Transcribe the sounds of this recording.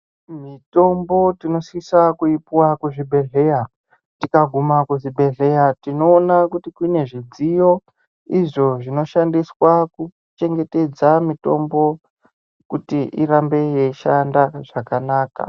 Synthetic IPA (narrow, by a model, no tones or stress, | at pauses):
mito̞mbo̞tino̞sikisakuipiwakuʐibʱe̞ɮe̞ja | tikaɡʱumakuʐibʱe̞ɮe̞jatino̞ːnakutikwine̞ʐid͡zijo̞ | iʐo̞ʐino̞ʃandiswaku | t͡ʃe̞ŋɡe̞te̞d͡zamito̞mbo̞ | kutiʔiɾambe̞jeiʃandaʐ̥akanaːka̰